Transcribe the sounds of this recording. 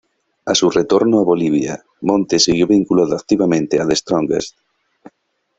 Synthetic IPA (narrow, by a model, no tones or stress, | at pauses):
asuret̪oɾnoaβoliβ̞ja̰ | mõnt̪esiɣjoβiŋkulaðoak̚t̪iβamẽnt̪eaðest̪ɾõŋɡḛs